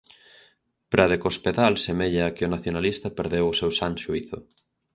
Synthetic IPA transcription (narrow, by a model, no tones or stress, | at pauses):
pɾaðekospeðalsemeʎaːkɪʊnaθjonalist̪ɐpeɾðewʊsewsaŋʃuiθʊ